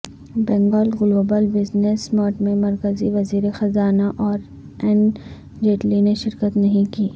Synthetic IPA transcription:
bɛ̃ːŋɡɔːlɣʊloːbəlbɪznesmɔːʈmẽmɐɾkəziʋɐziːɾexɐzaːnaʔɔːɾ | ɛ̃n | d͡ʒeːʈlineʃɪɾkət̪nɐɦĩkiː

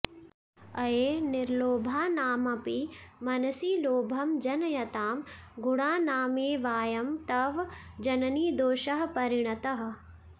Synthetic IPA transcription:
ɐjeːnɪɾloːbʱaːnaːmɐpimɐnɐsiːloːbʱɐmd͡ʒɐnɐjɐt̪aːm | ɡuɽaːnaːmeːʋaːjɐmt̪ɐʋd͡ʒɐnɐniːd̪oːʃɐɦɐpɐɾɪɳ̃ɐt̪ɐɦɐ̆

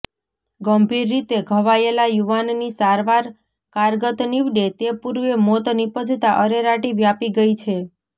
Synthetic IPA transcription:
ɡəmbʱiɾːit̪eɡʱəʋaelajuʋanːisaɾʋaɾ | kaɾɡət̪niʋɖet̪epuɾʋemot̪nipəd͡ʒ̪ʱt̪aʔəɾeɾaʈiʋjapiɡəit͡ʃʰe

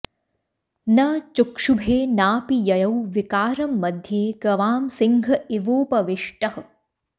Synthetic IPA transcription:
nɐt͡ʃukʂubʱeːnaːpijɐjɐwʋikaːɾɐmːɐd̪ʱjeːɡɐʋaːmsiŋɡʱɐiʋoːpɐʋiʂʈɐhɐ

